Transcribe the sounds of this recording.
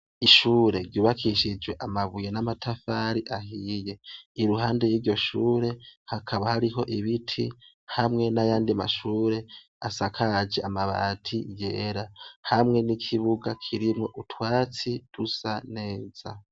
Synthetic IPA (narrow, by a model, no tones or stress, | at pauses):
iʃuːɾe̞ɾɟuːβakʰiʃid͡ʒwe̞ʔamaβujenamatʰafaɾiʔahiːje̞iɾuɦaːndejiːɾɟo̞ʃuːɾe̞hakʰaβahaɾiɦo̞ʔiβitʰi | hamŋe̞najaːndiama̰ʃuːɾe̞ | asakʰad͡ʒeamaβa̰tʰijḛɾahamŋe̞nikʰiβuɡakʰiɾimŋo̞ʔutʰwaːt͡sid̥usane̞ːz̥a